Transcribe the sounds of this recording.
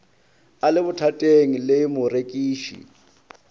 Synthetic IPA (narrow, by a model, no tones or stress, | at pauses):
alɪβʊtʰatʼeŋ̩lɪmʊrekʼiːʃḭ